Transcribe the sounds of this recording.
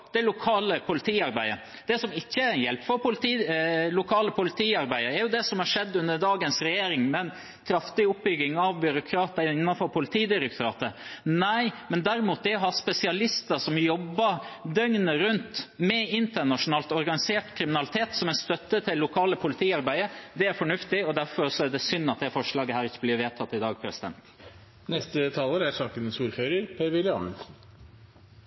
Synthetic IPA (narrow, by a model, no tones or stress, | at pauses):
d̪̥ɛlʊkʰɑːləpʰʊlɪt̪ʰiːɑɾbæɪə | d̪̥ɛsɔmɪçːəæɾɛnjɛlpfɔɾpʊlɪt̪iːlʊkʰɑːləpʰʊlɪt̪ʰiːɑɾbæɪəɾɛɾjʊd̪ɛsɔmhɑʂɛd̪ːʉnd̪əɖɑːɡənsɾɛjeːɾɪŋmɛn | kʰɾɑft̪ɪʊp̚ːbʏɡɪŋɑʋbʏɾʊkʰɾɑːt̪əɪnːɑnfɔɾpʰʊlɪt̪ʰiːd̪ɪɾəktɾɑ̰ːt̪ənæɪmɛnd̪æɾɪmuːt̪̚ɛɾɔɦɑspɛsɪɑlɪst̪əsɔmjɔbːɑɾd̪œŋnəɾʉnt̪mɛɪnt̪əɳɑʂʊnɑːlt̪ɔɾɡɑnɪseːʈkʰɾɪmɪnɑlɪt̪ʰeːt̪sɔmɛnst̪œt̪ːət̪ʰɪlːʊkʰɑːləpʰʊlɪt̪ʰiːɑɾbæɪəd̪ɛæɾfɔɳʉft̪ɪɔd̪æɾfɔɾsɔæɖɛsʏnːɑt̪̚d̪ɛfɔʂɭɑːɡəhæːɾɪçːəbliːɾʋeːt̪ʰɑt̪ːɪd̪ɑːɡ̚pʰɾɛsɪd̪ɛ̰nt̪ | nɛst̪ət̪ʰɑːləɾæsɑːkənənsuːɾføːɾəɾpʰeːɾʋɪlɪɑ̰nln̩